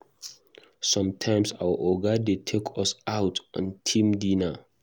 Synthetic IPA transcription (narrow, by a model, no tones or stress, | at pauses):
sɔ̃mtʰãɪmsawəʔɔɡadetʰekʰɔsaʊtʰɔ̰̃ntʰĩmdina